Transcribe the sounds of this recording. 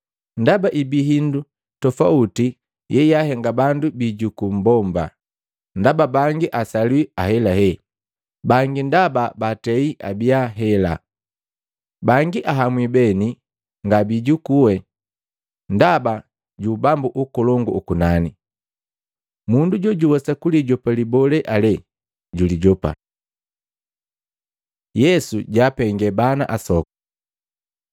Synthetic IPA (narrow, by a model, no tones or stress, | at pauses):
ndabaʔibiɦindu | tɔfauti | jɛjaɦɛŋɡabandubiɟukum̩bɔmba̰ | ndababaŋɡiʔasalwiahɛlaɦɛ | baŋɡindababatɛiʔa̰biaɦɛla̰ | baŋɡiʔaɦamwibɛni | ŋɡabiɟukuwɛ | ndaba | ɟubambuʔukɔlɔŋɡuukunani | munduɟɔɟuwɔsakuliɟɔpalibɔlɛʔalɛ | ɟuliɟɔpa̰ | jɛsuɟapɛŋɡɛbana̰ʔasɔkɔ̥